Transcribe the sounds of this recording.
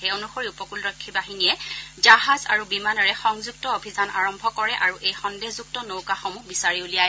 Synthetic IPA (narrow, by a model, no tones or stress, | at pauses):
eonuxoɹiupɔkulɹɔkʰːibaɦinijɛd͡ʒaɦaza̰ɹubimanɔɹɛxɔŋzuk̚tɔobʱizana̰ɹɔmbʱɔkɔɹɛʔaɹuʔejxɔndezuk̚tɔnowkaxɔmuhbisaɹiulijaj